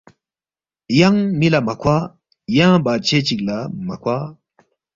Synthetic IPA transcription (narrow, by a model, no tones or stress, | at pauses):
jɐŋmilamɐkʰwa | jãːbaːt͡ɕʰet͡ɕiklamɐkʰwaː